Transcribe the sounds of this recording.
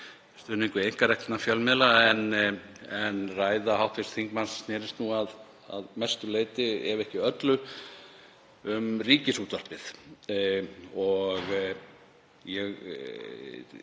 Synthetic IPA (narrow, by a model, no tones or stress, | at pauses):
st̪ʏːnɪŋkʏejŋ̥kaɾɛjk̪ɪtnafjœlmɪðlaɛn | ɛnraːjðahawht̪fɪst̪θiŋkmansnɛːɾɪst̪nuað | a̰ðmɛst̪ʏleːjt̪ɪɛ̰ɾvɛhcɪœt̪lʏ | ʏmriːcɪsuːt̪var̥pɪθ | ɔɣ | jɛɣ